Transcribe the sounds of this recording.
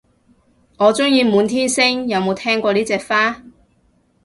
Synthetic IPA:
ŋɔː˨˧t͡sʊ˥ŋjiː˧muː˨˧nt̪ʰiː˥nsɪ˥ŋjɐ˨˧wmo˨˧wt̪ʰɛː˥ŋkʷɔː˧niː˥t͡sɛː˧kfaː˥

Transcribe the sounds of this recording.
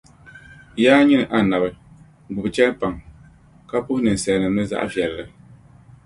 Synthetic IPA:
jaː˦ɲi˦nɨ˨ʔa˨na˨bɨ˦ | ɡʊ˨bɨ˨t͡ʃɛ˦pa˨ŋ | ka˦pʊ˦hnɨ˨n˨sɛ˨nɨ˨nɨ˦za̰˦ʔvjɛ˨llɨ˨

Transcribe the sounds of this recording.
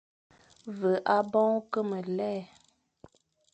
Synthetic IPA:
və˨ʔa˦bɔ̃˦kə˦mə˨lɛː˦˨

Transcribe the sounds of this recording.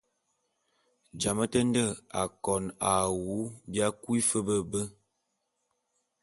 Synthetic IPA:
d͡ʒa˨mə˦tə˦n˦də˦˨a˨kɔ˨na˨wu˨˦bja˦kwi˦fə˦bə˦bə˦

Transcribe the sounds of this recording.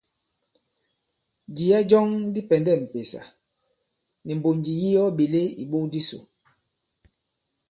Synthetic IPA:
d͡ʒi˨ja˦d͡ʒɔ˦ŋdi˦pɛ˨ndɛ˦˨m̩˨pe˨sa̰˨ | ni˨m̩˨bo˨nd͡ʒi˨ji˦jɔ˦ɓe˨le˦ḭ˨ɓo˦di˦so̰˨

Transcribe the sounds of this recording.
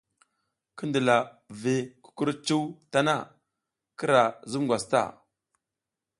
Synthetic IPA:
kə˦ndə˨la˨ve˨ku̥˦ku˦ɾt͡ʃu˦wta˦na̰˦˨ | ki˦ɾa˨zu˦mɡʷwa˨sta̰˦˨

